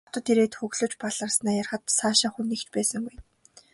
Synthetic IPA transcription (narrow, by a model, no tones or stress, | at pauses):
t̪ɞ̆t̪ːiɾeːt̪xɵɣɮɵ̆ːt͡ɕpaɮə̆rsnæːjarχə̆t̪saːʃaːxuniːkt͡ɕpæːsə̆ŋɡuj